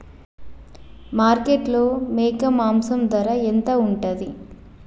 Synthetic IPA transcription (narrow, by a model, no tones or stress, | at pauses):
maːɾkeʈloːmeːkɐmaːmsɐmd̪ʋɐɾaent̪ɐuɳʈɐd̪i